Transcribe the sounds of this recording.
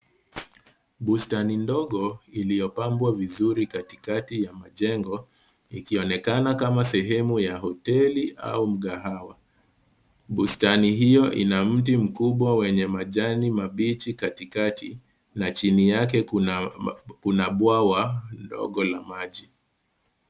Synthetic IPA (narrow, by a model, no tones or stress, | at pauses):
ɓustanindɔɠɔilijɔpambwavizuɾikatikatijamaʄɛŋɡɔ | ikiɔnɛkanakamasɛɦɛmujaɦɔtɛlia̰um̩ɠaɦawa | ɓustaniɦijɔʔḭnam̩t̬im̩kuɓwawɛɲɛmaʄanimaɓit͡ʃikatikatʰi | nat͡ʃinijak̬ɛ | kunaɓwawandɔ̰ɠɔlamaʄi